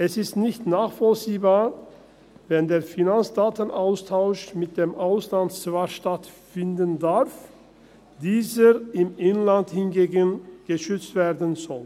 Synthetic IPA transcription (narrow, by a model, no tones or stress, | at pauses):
ʔɛsɪstnɪçtnaːχfɔlt͡siːbaː | vɛndeːɐfinant͡sd̥aːtən̩ʔaʊstʰaʊʃmɪt̚d̥eːmʔaʊslantt͡svaʃtatfɪndəndaʁf | d̥iːzəɪmʔɪnlanthɪnɡeːɡənɡ̥əʃʏt͡stv̥eːɐdənzɔl